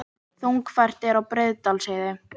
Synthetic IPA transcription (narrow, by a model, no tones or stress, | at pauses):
θuŋkfajr̥t̪ɛɾawpɾɪðt̪alseːðɪ